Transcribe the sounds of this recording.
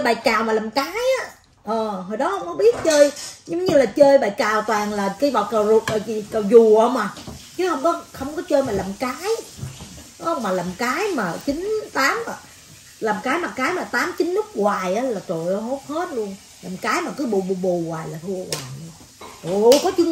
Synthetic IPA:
ə˧jɓaː˨˩jkaː˨˩wmaː˨˩laː˨˩mkaː˨˦jʔaː˨˦˥ | ʔəː˨˩ɦo˨˩jɗɔ˨˦hə˧wŋ͡mkɔ˨˦ɓi˦˥ət̚t͡ɕəː˧jzŋ͡mɲɨ˧laː˨˩t͡ɕəː˧jɓaː˨˩jkaː˨˩wt̪waː˨˩ŋlaː˨˩ka˧˦jva˨˩t̚kaː˨˩wzu˨˩ək̚ə˨˩zi˨˩ka˨˩wzu˨˩ʔə˧wŋ͡maː˨˩t͡ɕɨ˨˦hə˧wŋ͡mkɔ˨˦xə˧wŋ͡mkɔ˨˦t͡ɕəː˧jmaː˨˩laː˨˩mkaː˨˦j | ɔ˨˧˦wŋ͡mmaː˨˩laː˨˩mkaː˨˦jmaː˨˩t͡ɕï˨˦ŋnt̪aː˨˦maː˨˩ | laː˨˩mkaː˨˦jmaː˨˩kaː˨˦jmaː˨˩t̪aː˨˦mt͡ɕï˨˦nːʊ˦˥k͡p̚ɣwaː˨˩jʔaː˨˦laː˨˩t̪o˨˩˨jʔə˨˧ɦo˦˥t̚hə˦˥t̚lu˧əŋ | laː˨˩mkaː˨˦jmaː˨˩kəː˨˦ɓo˨˩ɓu˨˩ɓo˨˩ɣwaː˨˩jlaː˨˩t̪ʰu˧əɣwaː˨˩jɨ˧ | ʔo˨˧˩kɔ˨˦t͡ɕɨ˨˦ŋ

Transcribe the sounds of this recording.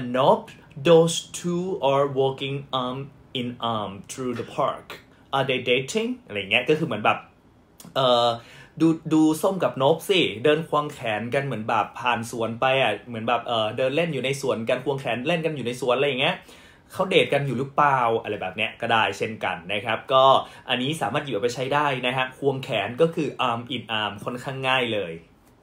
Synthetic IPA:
no˦˥p̚ | do˧st̪ʰuː˧ʔɔ˧wɔː˧˥ki˧ŋʔa˧m | ʔi˧nʔa˧˩mt̪ʰɾuː˧d̪ə˧pʰa̰ː˧˥˩k | ʔaː˨˧d̪e˧de˨˦t̪ʰi˧˩ŋʔʔa˧ɾa˧jːa˨˩ŋːi˦˥ɐkɔː˥˩kʰɯː˧mɯ˩˦ənbɛː˨˩p̚ | ʔɤː˨˩duː˧duː˧so˥˩mka˨˩p̚no˦˥p̚si˧˩dɤː˧nkʰwaː˧ŋkʰɛː˩˦nka˧nmɯ˩˦ənbɛː˨˩pʰːaː˨˩nsu˩˦ənpa˧jʔa˨˩mɯ˩˦ənbɛː˨˩p̚ʔɤː˨˩dɤː˧nle˥˩njuː˨˩na˧jsu˨˩ənka˧nkʰu˧əŋkʰɛː˩˦nle˥˩nka˧njuː˨˩na˧jsu˨˩ənʔja˨˩ŋːi˦˥ɐ | kʰa˦˥wdeː˨˩t̪̚ka˧njuː˨˩lɯ˦˥plaː˧˨˧wʔa˧ɾa˧˩jbɛː˨˩p̚ni˦˥ɐʔkɔ˥˩daː˥˩jt͡ɕʰe˥˩nka̰˧nːa˦˥kʰa˦˥p̚kɔː˥˩ʔa˧nːiː˦˥saː˨˩˦maː˥˩t̪̚jiː˨˩˨pa˧jt͡ɕʰa˦˥jdaː˥˩jna˦˥kʰa˦˥ʔkʰu˧əŋkʰɛː˩˦nkɔː˥˩kʰɯː˧ʔaː˧mʔiː˨˩t̪̚ʔaː˧mkʰo˧˥˩nkʰaː˥˩ŋːaː˥˩jlɤː˧j

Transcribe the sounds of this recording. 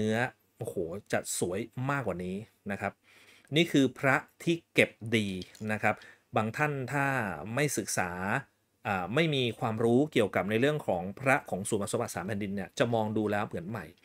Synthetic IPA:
ɯ˦˥ɐ | ʔoː˧˩hoː˩˦t͡ɕa̰˨˩t̪̚su˩˦əjmaː˥˩kwaː˨˩niː˦˥ | na˦˥kʰa˦˥p̚ | niː˥˩kʰɯː˧pʰɾa˦˥t̪ʰiː˥˩ke˨˩p̚diː˧na˦˥kʰa˦˥p̚ | baː˧ŋt̪ʰa˥˩nt̪ʰaː˥˩ma˥˩jsɯ˨˩k̚saː˩˦ | ʔaː˨˩ma˥˩jmiː˧kʰwaː˧mɾuː˦˥ki˨˩əwka˨˩p̚na˧jɾɯ˥˩əŋkʰɔː˩˦ŋpʰɾa˦˥kʰɔː˩˦ŋsuː˨˩˦nma˧˩sba˨˩t̪saː˩˦mpʰɛː˨ndi˧nːi˥˩ɐt͡ɕa˨˩mɔː˧ŋduː˧lɛː˦˥wmɯ˩˦ənma˨˩j

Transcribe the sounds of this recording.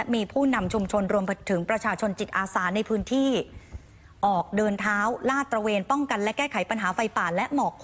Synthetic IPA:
miː˧pʰuː˥˩na˧mt͡ɕʰu˧mt͡ɕʰo˧nɾu˧əmpt̪ʰɯ˩˦ŋpɾa˧t͡ɕʰaː˧t͡ɕʰo˧nt͡ɕi˨˩t̪̚ʔaː˧saː˩˦na˧jpʰɯː˦˥nt̪ʰiː˥˩ | ʔɔː˨˩k̚dɤː˧nt̪ʰaː˦˥wlaː˥˩t̪ɾa˧weː˧npɔ˥˩ŋka˧nlɛ˦˥kɛː˥˩kʰa˩˦jpa˧nɦaː˩˦fa˧jpaː˨˩t̪̚lɛ˦˥ʔmɔː˨˩kʰ

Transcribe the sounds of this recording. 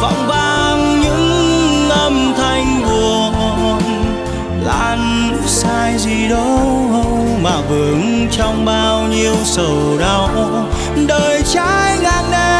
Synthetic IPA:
vɔ̰˧˨wŋ͡mɓaː˧ŋɲɨ̰˧˥ŋʔə˧mt̪ʰa˧jŋ̟ku˨˩ə | ɔ˧n | la̰ː˧˩n | ɨ̰˧˥saː˧jzi˨˩ɗɔ˨˧˦ɦə˧w | maː˨˩vɨ˨˩əŋ | t͡ɕɔ˧wŋ͡mɓaː˧wɲi˧əwsə˨˩wɗa˨˧˩w | ɗəː˨˩jt͡ɕaː˧˥jŋaː˨˩nne˧

